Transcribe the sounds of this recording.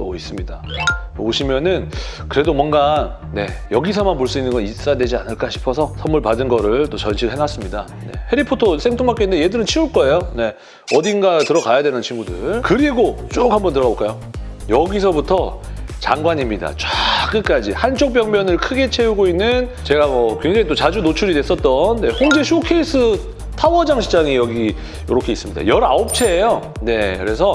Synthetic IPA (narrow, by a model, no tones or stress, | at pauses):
t͈o̰is͈ɯmɲidaoɕʰimjʌnɯnkɯɾe̞domwʌnɡa | ne̞jʌɡisʰʌmanpoɭs͈uinːɯnɡʌnis͈ajadwe̞d͡ʑianɯɭk͈aɕʰi̥pʰʌsʰʌsʰʌmːuɭpadɯnɡʌɾɯɭt͈ot͡ɕʌnɕʰiɾɯɭɦenas͈ɯmɲida | ne̞̰he̞ɾipʰotʰos͈ʰeŋtʰoŋbak͈endeje̞dɯɾɯnt͡ɕʰiuɭk͈ʌe̞jone̞ | ʌdinɡatɯɾʌkajadwenɯnt͡ɕʰiŋɡudɯɭkɯɾiɡot͡ɕ͈ok̚hambʌntɯɾʌɡaboɭk͈ajo | jʌɡisʰʌbutʰʌt͡ɕaŋɡwaɲimɲida̰t͡ɕwak͈ɯk͈ad͡ʑḭhant͡ɕ͈ʰok̚p͈jʌŋmjʌnɯɭkʰɯɡe̞t͡ɕʰe̞uɡoinːɯn | t͡ɕe̞ɡamʌkwe̞ŋd͡ʑeŋit͈ot͡ɕad͡ʑunot͡ɕʰuɾidwe̞s͈ʌt̚t͈ʌnːe̞ɸoŋd͡ʑe̞ɕʰokʰe̞isʰɯ | tʰawʌd͡ʑaŋɕʰid͡ʑaŋijʌɡi | joɾokʰe̞is͈ɯmɲida̰jʌɾa̰op̚t͡ɕʰe̞ːjo | ne̞kɯɾe̞sʰʌ